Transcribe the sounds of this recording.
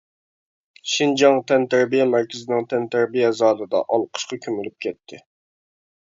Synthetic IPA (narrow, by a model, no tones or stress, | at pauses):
ʃind͡ʒɑŋt̪ʰɛnt̪æɾbijɛmæɾkʲɪzɪnɪŋt̪ʰɛnt̪ʰæɾbijɛzɑːd̪ɨd̪ɑ̰ʔɑlˠqʰə̥ʃqɑkʲʰømylyp̚kʲʰɛt̪ʰːɪ